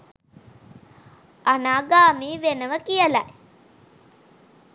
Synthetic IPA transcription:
anaːɡaːmiːʋenəʋəkijəla̰j

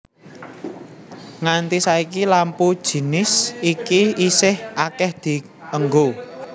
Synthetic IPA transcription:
ŋant̪isaikilampud̥ʒ̥i̤nɪsikiisɪhakɛhd̪̥i̤ | əŋɡo

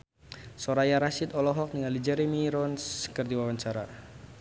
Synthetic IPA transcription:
sɔɾajaɾasit̪ɔlɔɦɔk̚niŋalid͡ʒɛɾɛmiɾɔnskərd̪iwawaɲt͡ʃaɾa

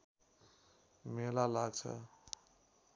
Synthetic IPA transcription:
melalaɡt͡ʃʰə̰

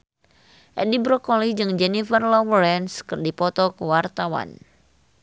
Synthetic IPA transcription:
ʔɛdibɾɔkɔlid͡ʒɨŋd͡ʒɛnifərlɔwəɾɛnskərdipɔt̪ɔkəwart̪awa̰n

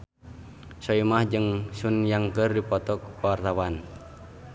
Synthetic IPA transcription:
sɔimahd͡ʒɨŋsunjaŋkərdipɔt̪ɔk̚wart̪awan

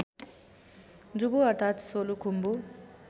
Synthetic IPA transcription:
d͡zubuʌɾt̪ʰat̪solukʰumbu

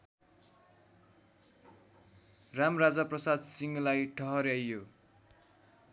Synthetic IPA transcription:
ramrad͡zʌprʌsad̪siŋlajʈʰʌɦʌɾjajːo

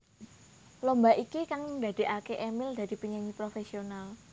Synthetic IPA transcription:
lombaʔikikaŋd̪a̤d̥̪e̤ʔakeʔemɪld̪a̤ɾipiɲaɲipɾofesional

